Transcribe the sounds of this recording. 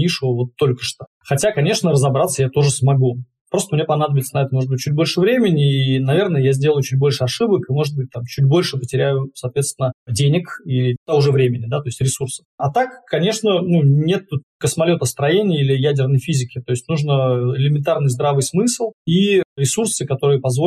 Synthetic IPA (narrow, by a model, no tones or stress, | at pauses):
nʲiʂɨvəvo̞t̪ːo̞lʲkə̥ʂt̪o̥ | xɐtʲakɐnʲe̞ʂnəɾəzɐbɾat̪səjat̪o̞ʐɨsmɐɡu | pɾo̞st̪əmnʲepɐnad̪əbʲɪlʲsənɐɛt̪əmo̞ʐɨd̪bɨt̚ʲt͡ɕːut̚ʲbo̞lʲʂɨvɾʲemʲɪnʲɪːnɐvʲe̞rnəjəjazʲdʲe̞lˠəjʊt͡ɕut̚ʲbo̞lʲʂɨɐʂɨbəkɨmo̞ʐɨd̪̚bɨt̚ʲt̪amt͡ɕut̚ʲbo̞lʲʂɨpətʲɪɾʲæjʊsɐːt̪vʲe̞t̪st̪vʲɪnədʲenʲɪkilʲɪt̪aʊʐɛvɾʲemʲɪnʲɪd̪at̪o̞ɪsʲtʲɾʲɪsursə̥fɐt̪akːɐnʲe̞ʂnənunʲe̞t̪ːut̪kəsmɐlʲo̞t̪əst̪ɾɐjenʲɪjilʲɪjædʲɪrnəjfʲizʲɪkʲɪt̪o̞jɪsʲtʲnuʐnəɪlʲɪmʲɪnt̪arnɨjzd̪ɾavɨjsmɨslˠiɾʲɪsursɨkɐt̪o̞ɾɨjəpɐzvo